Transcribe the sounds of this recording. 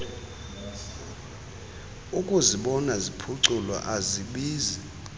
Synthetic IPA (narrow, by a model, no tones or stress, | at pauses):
ukʼuziɓɔnazipʰuǀulwa̰ʔaziɓiːzi